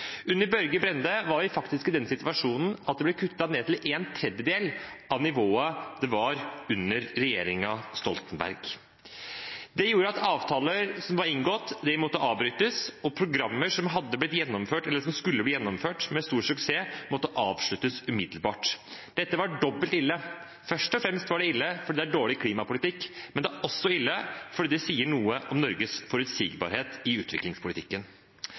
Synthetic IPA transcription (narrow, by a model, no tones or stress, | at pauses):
ʉnːəɾbœɾɡəbɾɛnd̪əʋɑɾʋɪfɑkt̪ɪskɪd̪ɛnːsɪt̪ʋɑʂuːnn̩ɑt̪̚d̪ɛblɛkʰʉt̪ːɑneːt̪ʰɪleːnt̪ʰɾɛd̪jəd̪eːlʔɑʋnɪʋoːɑd̪̥ɛʋɑɾʉnːəɾːɛjḛːɾɪŋɑst̪ɔ̰lt̪ənbæ̰ɾɡ | d̪ɛjuːɾəɑt̪ʰɑːʋt̪ʰɑːləɾsɔmʋɑɾɪŋɡɔt̪ːd̪ɛmɔt̪ːəɑːʋbɾyːt̪əsɔpʰɾʊɡɾɑmːəʂɔmɦɑd̪ːəblɪt̪jɛnːɔmføːʈɛlːəʂɔmskʉlːəb̪iːjɛnːɔmføːʈmɛst̪uːɾsʉkseːmɔt̪ːəʔɑːʋʂɭʉt̪ːəsʉmɪd̪lbɑːʈd̪̥ɛt̪ːəʋɑɖɔbːəlt̪ɪlːə | fœʂʈɔfɾɛmst̪ʋɑɖɛɪlːəfɔɾɖid̪ɛæɖoːɭɪkʰliːmɑpʊlɪt̪ɪkːmɛnd̪ɛæɾʔɔsːɔɪlːəfɔɖiːd̪ɛsiːəɳuːəʔɔmnɔɾɡəsfɔɾʉt̪siːɡbɑ̰ːɾheːt̪ɪʉːt̪ʋɪ̰klɪŋspʰʊlɪt̪ɪkːən